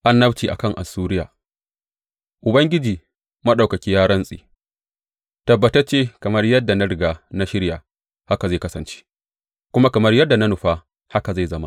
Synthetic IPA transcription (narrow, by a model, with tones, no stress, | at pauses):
ʔa˦nːɐ˦bt͡ʃiː˨ʔa̰˨kɐ˦˨ŋʔa̰˨sːuː˦ɾɪ˦ja̰ː˨ | ʔʊ˨bɐ˦ŋɡʲɪ˦d͡ʒiː˨ | mɐ˦ɗa˨wkɐ˨kʲi˦jaː˦ɾɐ˦nsʼiḛː˨ | tɐ˨bːɐ˨tɐ˦rt͡ʃeː˦kɐ˨mɐ˦rjɐ˦dːa˨nɐ˦ɽɪ˨ɡaː˨na˦ʃɪ˦ɽjaː˨ | ha˦ka˨za˦˨kɐ˦sɐ˨nt͡ʃe̥ː˦ | kʷʊ˦ma˦kɐ˨mɐ˦rjɐ˦dːa˨na˦nʊ˨ɸa˦ | ha˦ka˨za˦˨zɐ˦ma̰˦